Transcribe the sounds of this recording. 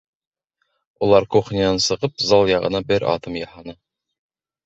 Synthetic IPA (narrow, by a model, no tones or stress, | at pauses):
ulˠɑɾquχnʲiɑnsɤ̆ʁɤpzɑlˠjɑʁɤ̰̆nɑbɘɾɑ̰t̪ɤmjɑhɑnɤ